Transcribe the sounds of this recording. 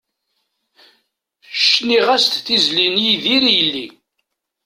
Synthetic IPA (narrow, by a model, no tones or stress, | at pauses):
ʃniʁæst̪θizlinjiðiɾijəlːi